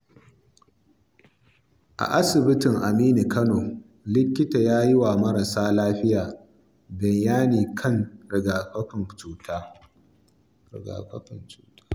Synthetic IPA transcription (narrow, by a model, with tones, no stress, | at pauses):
ʔa̰˨ʔa˦sɪ˨bɪ˦tɪ˨ŋʔa˨miː˦ni˨kʰɐ˦noː˨ | lɪ˦kʲːɪ˦ta˨jaː˦jɪ˦wa˨mɐ˦ɾa˨saː˦laː˦ɸɪ˦jaː˨ | bɪ˨jjaː˦niː˨kʰɐ˦˨ŋɾɪ˨ɡaː˨ɸɐ˦ɸɪ˨nt͡ʃuː˨tʰaː˦ | ɾɪ̰˨ɡa̰ː˨ɸɐ˦kɐ˨nt͡ʃuː˦tḁ˦